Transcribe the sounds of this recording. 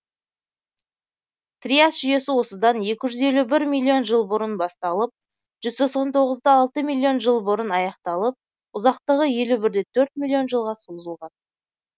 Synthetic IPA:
t̪rijasʒʏje̞sɪwo̞səd̪ɑnje̞kʲɪʒʏze̞lubɪɾmʲilʲˠːio̞nʒəlˠbəɾənbɑst̪ɑlˠəp̚ | ʒ̥ʏzt̪ʰo̞qsɑnt̪ʰo̞ʁəzd̪ɑɑlˠt̪əmilʲˠːio̞nʒəlˠbəɾənɑjɑqt̪ɑlˠəp̚ | ʊzɑqt̪əʁəje̞lubɪɾd̪e̞t̪ʰɵɾt̪̚mʲilʲːio̞nʒəlˠʁɑswuzəlˠʁɑn

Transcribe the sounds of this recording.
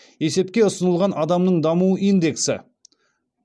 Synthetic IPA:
e̞se̞p̚kʲe̞ʊsənəlˠʁɑnʔɑd̪ɑmnəɴd̪ɑmuəʔind̪e̞ksɪ̰

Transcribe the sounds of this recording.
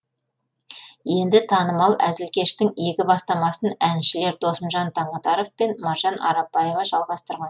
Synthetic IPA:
je̞nd̪ɪt̪ʰɑnəmɑlˠæzɪlkʲe̞ʃt̪ɪŋe̞kʲɪbɑst̪ɑmɑsənænʃɪle̞ɾd̪o̞səmʒɑnt̪ʰɑɴɑt̪ɑɾofpe̞nmɑɾʒɑnɑ̰ɾɑpːɑjevɑʒɑlˠʁɑst̪əɾʁɑn

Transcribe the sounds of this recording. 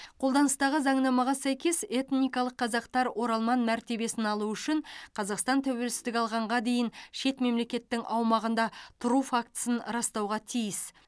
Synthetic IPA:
qʰo̞lˠd̪ɑnəst̪ɑʁəzɑɴnɑmɑʁɑsæjkʲe̞se̞t̪nijkɑlˠəqːʰɑzɑqt̪ɑɾwʔo̞ɾɑlˠmɑnmæɾt̪e̞be̞sɪnɑlˠuʏʃɪɴqʰɑzɑqst̪ɑnt̪ʰæwe̞lsɪzd̪ɪkʲɑlˠʁɑɴʁɑd̪e̞jɪnʃe̞t̪me̞mle̞kʲe̞t̪ːɪŋʔɑwmɑʁənd̪ɑt̪ʰʊɾufak̚t̪ə̥sənɾɑst̪ɑwʁɑt̪ʰijɪs

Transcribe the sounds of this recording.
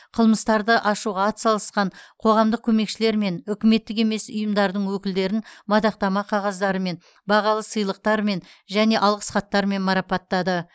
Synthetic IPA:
qʰəlˠməst̪ɑɾd̪əʔɑʃuʁɑɑt̪sɑlˠəsqɑɴqʰo̞ʁɑmd̪əq̚kʲʰɵme̞kʃɪle̞ɾme̞nʏkʲɪme̞t̪ːɪk̬e̞me̞sʊ̰jəmd̪ɑɾd̪əɴwɵkʲɪld̪e̞ɾɪnmɑd̪ɑq̚t̪ɑmɑqʰɑʁɑzd̪ɑɾəme̞n | bɑʁɑlˠəsəjlˠəq̚t̪ɑɾme̞n | ʒæne̞ʔɑlˠʁə̥sχɑt̪ːɑɾəme̞nmɑɾɑpɑt̪ːɑd̪ə

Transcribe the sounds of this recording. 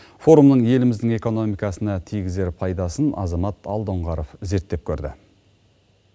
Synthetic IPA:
fo̞ɾumnəɴje̞lɪmɪzd̪ɪŋe̞ko̞no̞mijkɑsənɑt̪ʰijɡʲɪze̞ɾpʰɑjd̪ɑsənɑ̰zɑmɑt̪ɑ̰lˠd̪oɴʁɑɾofze̞ɾt̪ːe̞p̚kʲʰɵɾd̪ɪ̰

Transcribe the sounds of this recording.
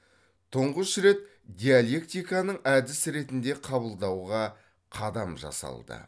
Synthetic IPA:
t̪ʰʊɴʁəʃɾe̞t̪ | d̪ʲijalʲˠe̞kt̪ijkɑnəɴæd̪ɪsɪɾe̞t̪ɪnd̪e̞qʰɑbəlˠd̪ɑwʁɑ | qʰɑd̪ɑmʒɑ̰sɑ̰lˠd̪ə̰

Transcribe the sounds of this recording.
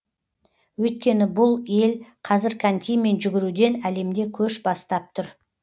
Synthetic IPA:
wɵjt̪̚kʲe̞nɪbʊlˠje̞lqʰɑzɪɾkʰant̪ʲijme̞nʒʏɡʲɪɾud̪e̞næle̞md̪e̞kʲʰɵʃbɑst̪ɑp̚t̪ʰʊɾ

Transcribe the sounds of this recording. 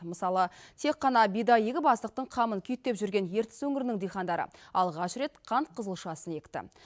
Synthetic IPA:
məsɑlˠət̪ʰe̞qːɑnɑbijd̪ɑjeɡʲɪbɑslˠəq̚t̪əɴqʰɑmənkʲʰʏjt̪ːe̞pʒʏɾɡʲe̞nje̞ɾt̪ɪ̥swɵŋɪɾɪnɪŋd̪ijχɑnd̪ɑɾə̰ɑlˠʁɑʃɾe̞t̪qʰɑnt̪̚qʰəzəlˠʃɑsəne̞kt̪ɪ̰

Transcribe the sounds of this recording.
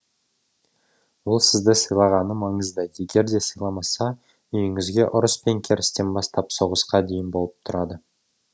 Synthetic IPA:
wolˠsɪzd̪əsəjlˠɑʁɑnəmɑɴəzd̪ɑj̪je̞ɡʲe̞ɾd̪e̞səjlˠɑmɑsɑ | ʏjɪŋɪzɡʲe̞ʔʊɾəspe̞ŋkʲʰe̞ɾɪst̪e̞nbɑst̪ɑpso̞ʁəsqɑd̪e̞jɪnbo̞lˠəp̚t̪ʰʊɾɑd̪ə

